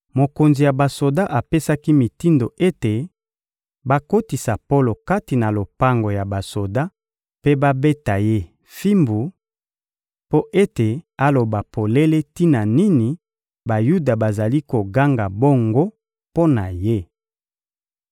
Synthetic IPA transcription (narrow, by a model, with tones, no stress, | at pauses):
mo˨ko˨nzi˨ja˨ba˨so˨da˦ʔa˨pe˦sa˦ki˦mi˨ti˦ndo˨ʔe˦te˨ | ba˦ko˦ti˨sa˨po˦lo˨ka˦ti˨na˨lo˨pa˦ŋɡo˨ja˨ba˨so˨da˦ | pe˦ba˦be˦ta˨je˦ | fi˦mbu˨ | po˦ʔe˦te˨a˦lo˨ba˨pʰo˨le˦le˦ti˦na˨ni˦ni˨ | ba˨ju˦da˨ba˨za˨li˦ko˨ɡa˦ŋɡa˨bo˦ŋɡo˦ | po˦na˨je˦